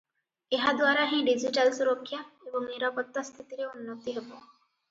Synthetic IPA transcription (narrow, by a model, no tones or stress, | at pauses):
eɦad̪waɾaɦĩɖid͡ʒiʈalsuɾokʰːjaebɔŋmeɾɔpɔt̪ːɔst̪ʰit̪iɾeunːɔt̪iɦebo